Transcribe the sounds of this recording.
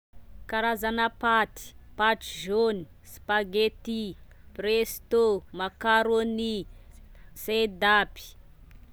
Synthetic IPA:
kaɾazanapat̪i̥paʈ͡ʂʒoni̥ | spaɡet̪i | prest̪omakaɾoni | sed̪api̥

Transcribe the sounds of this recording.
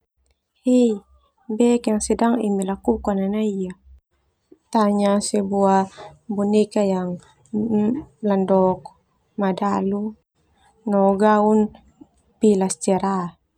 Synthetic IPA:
he | bɛkjaŋsɛdaŋimilakukananaija | t̪aɲasɛbuabunikajaŋ | landɔk̚ | madalu | nɔɡaun | pilast͡ʃɛɾa

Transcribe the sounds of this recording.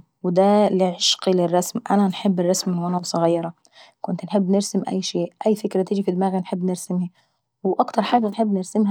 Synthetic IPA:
wɪd̪alɪʕɪʃqilɪrˤːɑsmʔananħɪbːɪrˤːɑsmɪnːwʔanawsˤɑɣɑjːɑɾˤɑ | kʊnt̪nħɪbːnɪɾsɪmʔæ̰jːʃeːʔʔæjːfɪkɾat̪iːd͡ʒifid̪maːɣinħɪbːnɪɾsɪmhi | wɪʔɑkt̪ɑɾˤħaːɡanħɪbːnɪɾsɪmɦa

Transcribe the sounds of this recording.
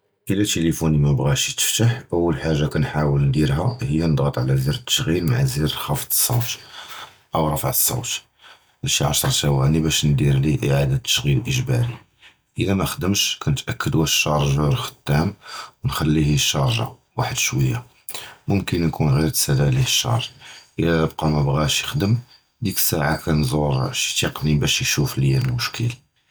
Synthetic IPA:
ʔəlæt̪elifunimæbɣæʃit̪ə̥ft̪aħʔəwːəlħaʒːakænħawəlnd̪iɾɦæhəjːænəd̪ˤɣət̪ˤʕlæziɾət̪ːə̥ʃɣilmaʕziɾxɑfd̪ə̥sˤːṵwt̪ | ʔəwɾˤɑfəʕəsˤːɑ̰wt̪ | bæʃiʕɑʃɾˤt̪æwænibæʃnd̪iɾliʔeʕad̪at̪ːə̥ʃɣilʔəʒbɑɾi | ʔəlæmæxəd̪əmʃkænət̪ʔækʰːəd̪wæʃːɑɾˤʒuɾxə̥t̪ːæmwnxælːihiʃːɑɾˤʒɑ̰ | waħəd̪ʃwəjːa | mʊmkənnkunɣiɾt̪sælælihəʃːɑ̰hɾˤʔəlːæəb̚qɑmæbɣæʃjəxd̪əm | d̪iksaʕakænzˤoɾʃi̥t̪iqnibæʃjʃufljæləlmʊʃkəl

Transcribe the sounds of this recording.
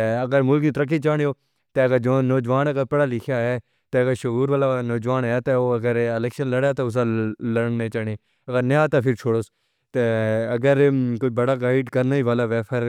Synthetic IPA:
əɡəɾmʊlkniːt̪əɾək̬ːiːt͡ʃaːɳjoː | t̪eːɡəɾd͡ʒoːnoːd͡ʒʋaːnəɡəɾpəɽaːlɪkʰjaːɦɛː | t̪eːəɡəɾʃʊɦuːɾʋaːlaːnoːd͡ʒʋaːnɛt̪eoːəɡəɾɪlɛːkʃənləɽjaːt̪aːʊs̬ãləɳnẽːt͡ʃaːɽeː | əɡəɾnejãːt̪aːpʰɪɾt͡ʃʰoːɽoːs | t̪eːəɡəɾkoibəɽaːɡaːɪɖkəɾnaːiːʋaːlaːʋɛːpʰəɾ

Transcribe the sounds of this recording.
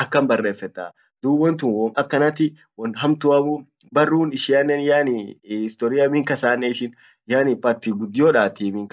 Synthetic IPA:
ʔɐkːɐmbɐrːe̞ːfːɛt̪ːa̰ː | d̪̥uːbɐnt̪ʊnwɔmɐkːɐnɐt̪ɪ | wɐnɦɐmt̪ʊɐbʊ | bɐrːuːnɪʃɪɐnːɛnjaːnihɪst̪ɔːɾɪjɐmɪŋkɐsaːnːeɪʃɪn | jaːnɪpaɾt̪iːɡʊd̪ːɪjoːᶑaːt̪iːmɪŋk

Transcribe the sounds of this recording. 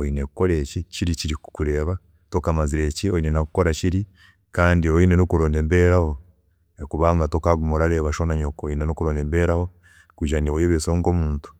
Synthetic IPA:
oinekuko̞ɾeːciciɾiciɾikukuɾe̞ːβa | tokamaziɾeciojinenakukoɾaciɾi | kaːndioinenokuɾoːndembeɾaho | ekuβaŋɡatokaɡumoɾaɾeːβaʃonaɲokojinenokuɾoːndembeɾaho̞ | kuʒaniwojoβesoːŋɡomuːntu̥

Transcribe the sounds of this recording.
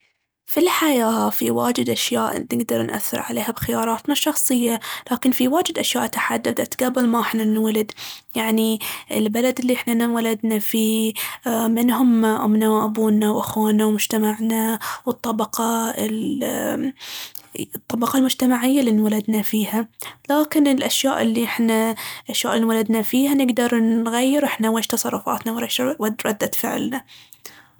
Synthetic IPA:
filħajaːfiwa̰ːd͡ʒɪd̪ʔaʃjaːʔnɪɡd̪ɑɾˤnʔa̰θːɪ̰ɾʕa̰leːhabxɪjɑːɾˤɑːt̪maʃːɑxsˤɨjːalaːkɪnfiwaːd͡ʒɪd̪ʔaʃja̰ːʔt̪aħad̪ːabd̪aʔt̪ɡabɪlmaʔɪħnanwalad̪jaʕniɪlbalad̪ɪlːiʔɪħnanawalad̪nafiː | mɪnɦʊmːaʔʊ̰mnawʔabuːnawʔaxwaːnawmʊd͡ʒt̪amaʕnawɨt̪ˤːɑbɑqɑl | t̪ˤːɑbɑqɑlmʊd͡ʒt̪amaʕɪjːaliwalad̪nafiːhalaːkɪnɪlʔaʃja̰ːʔɪlːiʔɪħnaʔaʃjaːʔlwalad̪nafiːhanɪɡd̪ɑɾˤnɣajːɪɾʔɪħnaweːʃt̪ɑsˤɑrˤːʊfɑ̰ːt̪nawɾeːʃwad̪ɾˤɑd̪ːat̪fɪ̰ʕlna

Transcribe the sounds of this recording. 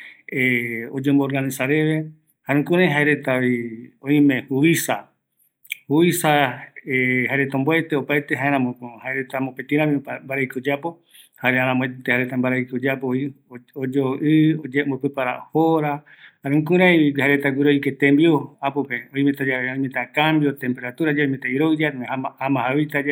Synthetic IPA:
eod͡ʒomboɾɡanĩsaɾe̞ʋe̞ | haɾũkũɾãj̃ɦaeɾet̪aiõĩmẽ̞huisa | huisaeɦaeɾe̞t̪aõmboet̪eopaet̪eɦaeɾ̃ãmõohaeɾet̪amopet̪ĩɾãmĩmbaɾejkud͡ʒapo̞ | haɾeaɾãmõet̪ehaɾet̪ambaɾaikud͡ʒapoi | od͡ʒoʔɨombopepaɾa̰hoɾa | haɾeũkũɾ̃ãjβiaɾet̪aɡʷiɾojket̪ẽmbioapupeõĩmet̪ad͡ʒaeõj̃mẽt̪akambjot̪e̞mpe̞ɾat̪uɾad͡ʒaimet̪aiɾod͡ʒaɾaaamãɦawit̪a

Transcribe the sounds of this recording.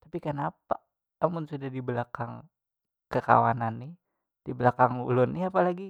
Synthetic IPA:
t̪apikənapa | amʊnsudahdibəlakaŋ | kəka̰wa̰nanːɪh | d̥ibəlakaŋṵlʊnːɪapalaɡi

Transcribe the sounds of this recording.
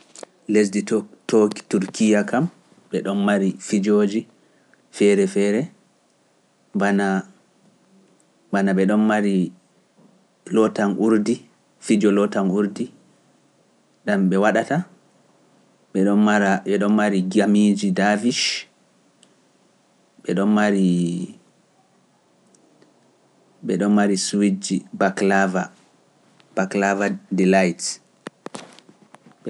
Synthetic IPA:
lesditoki̥tuɾkijakam | ɓɛɗɔnmaɾifid͡ʒoːd͡ʒi | fɛɾɛfɛɾɛ | bana | banaɓɛɗɔnmaɾi | lɔtanʔuɾdi | fid͡ʒɔlɔtanuɾdi | ɗamɓɛwaɗata | ɓɛɗɔaɾaɓɛɗɔnmaɾiɡamid͡ʒidaviʃ | ɓɛɗɔnmaɾi | ɓɛɗɔnmaɾiswid͡ʒibaklava | b̥aklavadɛlajt

